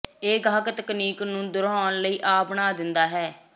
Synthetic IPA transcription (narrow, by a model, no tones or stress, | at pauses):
eːɡʱaːkt̪əkniːknũːd̪ʊɾɔːnləiːʔaːpɳaːd̪ɪnd̪aːɦɛː